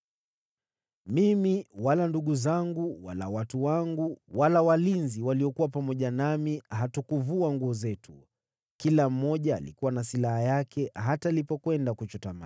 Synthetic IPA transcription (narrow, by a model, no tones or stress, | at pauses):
mimiwalanduɠuzaŋɡuwalawatuwaŋɡuwalawalinziwaliɔkuwapamɔʄanamiɦatukuvuaŋɡuɔzɛtu | kilam̩ːɔʄa̰ːlḭkuwanasilahajakʰɛɦatalipɔkwɛndakut͡ʃɔtama